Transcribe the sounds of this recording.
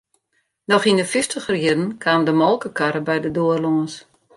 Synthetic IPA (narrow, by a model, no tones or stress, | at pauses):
nɔxindəfɪstəxriədn̩kʰaːmdəmɔlˠkəkʰaɾəbɛjdədoərloŋəs